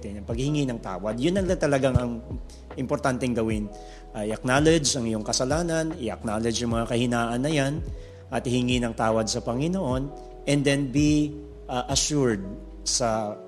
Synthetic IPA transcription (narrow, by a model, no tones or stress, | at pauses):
t̪ɛnɐŋpɐɡ̚hɪhɪŋinɐŋt̪a̰ːwɐd̪̚jʊnːɐŋlɐŋt̪ɐlɐɡaŋɐŋ | ʔɪmpoɾt̪ant̪ɛŋɡɐwɪn | ʔʔɪɐk̚naːlɛd͡ʒɐŋɪjoŋkɐsɐlaːnɐnɪʔɐk̚naːlɛd͡ʒjɐŋmɐŋakɐhɪnaːʔɐnːɐjan | ʔɐt̪ɪhɪŋinɐŋt̪aːwɐd̪̚sɐpɐŋɪnoʔo̞n | ʔɛnd̪ɛnbi | ʔʔɐʃuɹd̪̚ | sɐ